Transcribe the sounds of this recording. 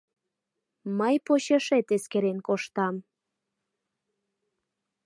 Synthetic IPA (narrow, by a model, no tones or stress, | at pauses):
məjpoɕeʃet̪eskeɾenkoʃt̪ɑm